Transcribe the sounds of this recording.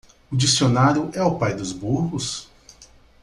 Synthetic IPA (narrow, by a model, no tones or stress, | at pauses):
ʊd͡ʒisionaɾjʊʔɛʊpajd̪ʊzbuɾɣʊs